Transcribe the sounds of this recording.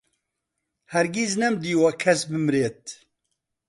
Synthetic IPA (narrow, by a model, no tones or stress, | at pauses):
hɛɾɡiznɛmd̪iːwɐkʰɛsbɨmɾeːt̪̚